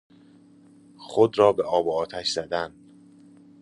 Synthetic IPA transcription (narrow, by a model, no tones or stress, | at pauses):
xod̪ɾɒːbeʔɒːboɒːt̪ʰæʃz̥æd̪æn